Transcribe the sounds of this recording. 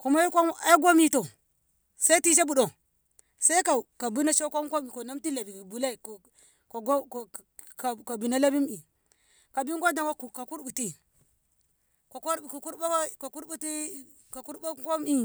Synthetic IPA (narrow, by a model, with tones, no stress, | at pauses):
ku˨ma˦ju˦kʷa˦a˦i˦ɡʷo˦mi˦to˨ | sa˦i˦ti˦ʃ̬a˦bu˨ɗo˨ | sa˦i˦ka˨ka˨bu˦na˦ʃo˦kʷa˦mka˦mi˨ko˨na˦mti˦la˨bi˨ki˨bu˨la˦i˨k | ko˨ɡo˦˨ | ka˨ka˨bi˨na˦la˦bi˦mi˨ | ka˨bi˦ŋɡo˦da˨ŋa˦ku˨ka˨ku˦ɾbu˨ti˦ | ko˨ko˦ɾkku˦ɾba˦a˦ka˨ku˦ɾbu˦ti˦ | ka˨ku˦ɾba˦ka˦mi˦